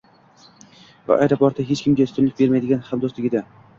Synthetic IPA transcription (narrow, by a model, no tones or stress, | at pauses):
va̰ʔajɾapɒɾt̪ʰaɦet͡ʃkʲɪmɡʲaʊt̪ʰʊnlɪk̚ʲbe̞ɾmajd̪ɪɡʲanhamd̪oslɪɡʲɪd̪a